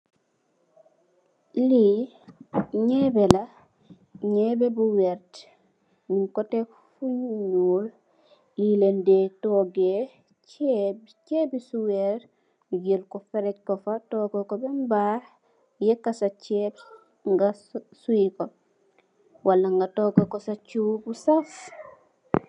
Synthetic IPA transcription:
li | ɲeːbela | ɲebebuweɾt | miŋkote | fuɲuɲul | jilendetoːɡe | cebicebisuweɾ | ujelkofeɾec̚kofatoːkokobembaːh | jekːasat͡ʃeb | ŋɡasuiko | walːaŋɡatoːkokosat͡ʃubusaf

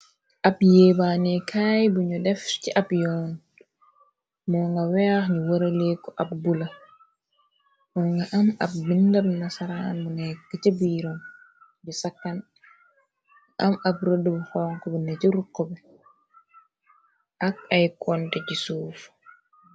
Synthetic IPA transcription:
ʔabjeːbaːnɛkʰaːjbuɲɔdɛft͡ʃiʔabjɔːn | mɔŋɡawɛaxɲiwoɾalekːɔʔabbula | mɔŋɡaʔamabbindabnasaɾanbɔnɛkːat͡ʃabiːɾɔm | d͡ʒɛsakːan | ʔamabɾodːubɔhɔːŋkɔbɛnɛt͡ʃiɾukːɔbɛ | ʔakajkʰɔntɛd͡ʒisuːfu̥

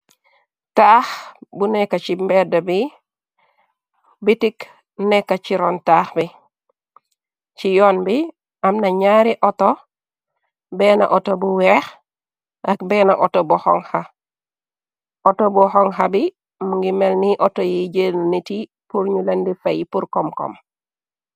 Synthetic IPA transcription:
taːxbunekːat͡ʃimbɛdabi | bitik | nekːat͡ʃiɾontaːxbi | t͡ʃijoːnbi | amnaɲaːɾiʔoto | beːna̰ʔotobuwɛx | ʔakbeːna̰ʔotobuho̰ŋha | otobuhoŋɦabi | muŋɡimelniʔotojiɟeniti | puɾɲulendifajipuɾkomko̰m

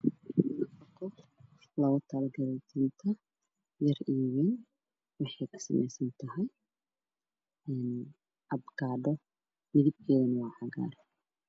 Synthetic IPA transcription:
nɐfɔkʰɔ | lɐɣɔt̪ʰɐlɐɡɐɾɛjt̪ʰint̪ʰɐ | jɐriːwɛn | wɑħɑjkʰɐ̥sɐ̰mɛjsɐnt̪ʰɐɦɛj | ɛn | ʔɐbɡaːɖɔ | mɪðɪb̚kʰɛːðɐnɐwɑːʕɑɣa̰ːɾɛ

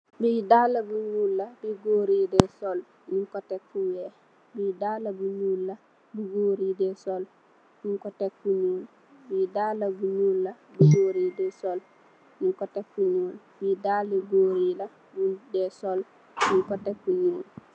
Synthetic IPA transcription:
bidalːɐbuɲuːlːɐbiɡoːɾidesol | ɲiŋkotekfuwe | bidaːlːɐbuɲuːlːɐ | buɡoːɾidesol | ɲiŋkotekfuɲuːl | bidaːlːɐbuɲuːlːabuɡoːɾiːdesol | niŋkotekfuɲuːl | bidaːleɡoːɾilɐ | budesol | ɲiŋkotekfuɲuːl

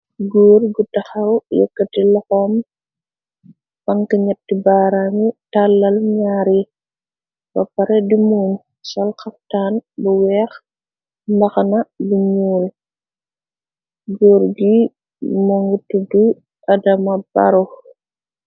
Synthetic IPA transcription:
ɡɔːrɡutɐxɐwjɔ̰kːɐtilɔxɔm | bɐŋkiɲɐtːibaːɾaŋitalːɐlɲaːɾi | bɐpɐɾɛdimuːɲ | sɔlxɐf̚taːnbuwɛːx | mbɐxɐnɐbuɲuːl | ɡɔːɾɡi | moŋɡutudu | ʔɐdɐmɐba̰ɾu

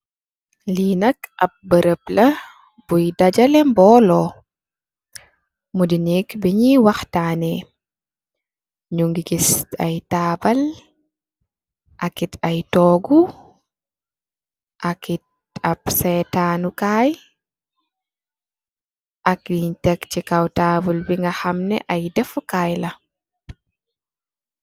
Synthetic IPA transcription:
linɐkʔɐp̚bəɾəplɐ | b̥ujdɐd͡ʒɐlɛmbɔlɔ | mudinikbiɲiwɐxtaːnɛ | ɲuŋɡiɡisɐ̰jtaːbɐl | ʔakitajtɔɡu | ʔakit̚ | apsɛtaːnukaːj | ʔakjiɲtɛkt͡ʃikawtaːbulbiŋɡaxamnɛ̰ʔajdɛfkaːjla

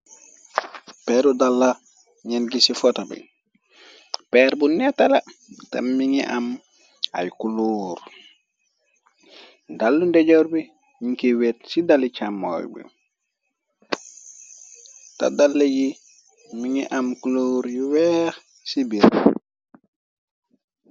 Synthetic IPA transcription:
pɛɾudalːa | ɲɛnɡisifɔtabḭ | pɛɾbunɛtalata̰mmiŋiʔam | a̰jkuluːɾ | dalːundeɟoɾbi | ɲiŋkewet̚sidalit͡ʃamːo̰jbḭ | ta̰dalːaji | miŋiʔamkuluːɾjiwɛːx | sibiɾ

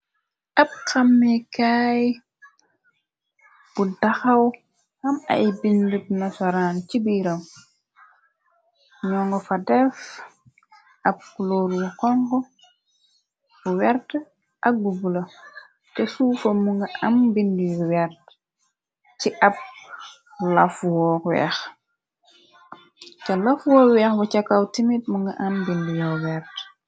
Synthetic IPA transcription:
ʔɐp̚xɐmːɛkaːj | b̥udɐxɐw | hɐmɐ̰jbindip̚nɐsɔɾaːncibiːɾɐm | ɲɔːŋɡɔfɐdɛf | ʔɐp̚kuloːɾukɔŋɡɔ | fuwɛɾt | ʔɐk̚bubulɐ | tɛsuːfɐmuŋɡɐʔɐmbindijwɛrt | ciʔɐp̚ | lɐfwɔːwɛ̰ːx | cɐlɐfwɔːwɛːxbɐcɐkːawtimit̚muŋɡɐʔambindijɔwɛrt

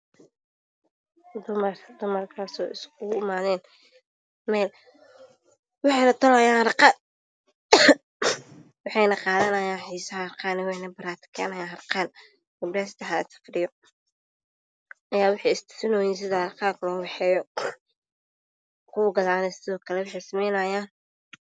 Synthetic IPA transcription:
d̪ʊmɐrd̪ʊmɐrkʰaːsɔːɪskʰʊɪmaːðɛːn | mɛːl | wɑħɛnɐt̪ʰɐlɔɐjaːhɾqɑːt̪ | wɑħɑjnɐqɑːðɐnɐjaːnħiːsɐɦrqaːnɛwħɛjnɐbɐɾaːt̪ʰɪ̥kʰɛ̰ːnɐjaːɐrqɑːn | ɛbɾaːst̪ʰɐħaɐ̰sɐ̥fɾɪjɔ | ʔɐjaːwʊħɑjɪst̪ʰɪ̥fɪnɔːjɪːns̬ɪðɐɾqɑːt̪ʰlɔːwɑħɛːjɔ | kʰuːɡɐðaːnɛsɪðɔːkʰɐlɛwɑħɛjsɐmɛjnɐjaːn

